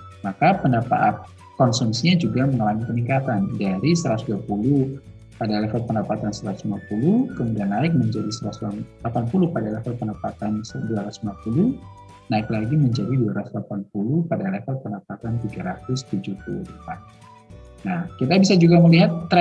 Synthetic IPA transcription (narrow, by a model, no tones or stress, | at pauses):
makapəndapa̰ʔat̪̚ | kɔnsunsiɲad͡ʒuɡaməŋəlamipəniŋkat̪andaɾisəɾat̪usduapuluh | padalɛfat̪̚pəndapat̪ansəɾat̪u̥slmapulukəmudianːaɪk̚məɲd͡ʒadisəɾasalapanpulʊhpadalɛfat̪̚pəndapat̪ansduaɾat̪u̥sumapuluh | naɪklaɡiməɲd͡ʒadiduaɾaslapanpulupadalɛfat̪̚pəndapat̪ant̪iɡaɾat̪ʊst̪ud͡ʒukṵlṵpa | nahkit̪abisad͡ʒuɡaməliɦat̪ːɾ